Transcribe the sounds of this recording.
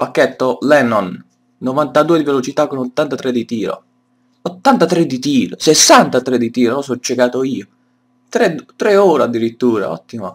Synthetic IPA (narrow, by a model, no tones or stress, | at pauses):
pakːɛt̪ːolɛnɔnː | ovant̪ad̪uːed̪ivelot͡ʃit̪akːonot̪ːant̪at̪ɾed̪ːit̪iːɾo̰ | ot̪ːant̪at̪ɾed̪it̪iːɾosesːant̪at̪ɾed̪it̪iːɾonɔsɔt͡ʃːekaːt̪oiːo | t̪ɾɛd̪t̪ɾɛoːɾad̪ːiɾit̪ːuːɾa̰ɔ̰t̪ːimo